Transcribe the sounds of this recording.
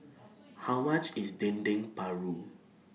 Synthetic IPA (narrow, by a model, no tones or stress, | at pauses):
haʊmat͡ʃisdɛ̃ndɪ̃ŋpaɹu